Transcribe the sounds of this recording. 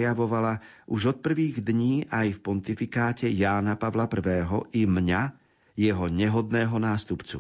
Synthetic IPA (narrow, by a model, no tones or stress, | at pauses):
jaʋɔʋala | ʔuʒɔt̪̚pr̩ʋiːɣd̪ɲiːʔajfpɔnt̪ifikaːcɛjaːnapaʋlapr̩ʋɛːɦɔʔimɲa | jɛɦɔɲɛɦɔd̪nɛːɦɔnaːst̪upt͡sṵ